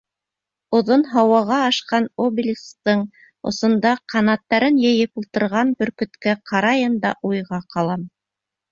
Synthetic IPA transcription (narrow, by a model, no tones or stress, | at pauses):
ŏðonɦɑwɑʁɑːʃqɑnobʲɪlʲst̪ɤɴ | ŏ̰sŏnd̪ɑqʰɑnɑt̪ːɑɾɘnjɘ̆jɘpulˠt̪ɤ̆ɾʁɑnbɵ̆ɾkɵ̆t̪kæqʰɑɾɑjɤnd̪ɑ̰ʔujʁɑqɑlˠɑm